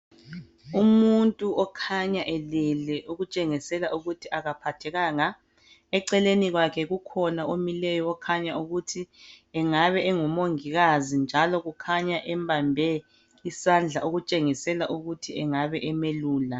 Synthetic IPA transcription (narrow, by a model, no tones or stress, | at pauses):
umuntʼuʔɔkʰaɲaʔɛlɛlɛʔuɣut͡ʃʼeŋisɛlaʔuɣutʰiʔaɣapʰatʰɛɣaːŋa | ɛǀɛleniɣwakʰɛɣukʰɔnaʔomilɛjɔɔkʰaɲauɣutʰiɛŋaβɛʔɛŋumoŋiɣazind͡ʒʱalɔɣukʰaɲaʔɛmbʱambʱɛ | isand͡ɮʱaʔoɣut͡ʃʼeŋisɛlaʔuɣutʰiɛŋaβɛʔɛmeluːla